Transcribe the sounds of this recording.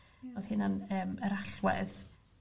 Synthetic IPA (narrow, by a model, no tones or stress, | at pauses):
oð̥hɪnanəːməɾaɬwɛ̰ð